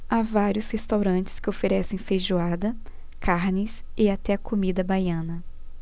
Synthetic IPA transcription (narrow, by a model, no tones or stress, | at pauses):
avaɾjʊshest̪awɾɐ̃nt͡ʃɪ̥skɪofeɾɛsẽj̃feʒuad̪ɐ | kʰaɾnɪs | ɪat̪ɛɐkʰomid̪ɐbajɐ̃nɐ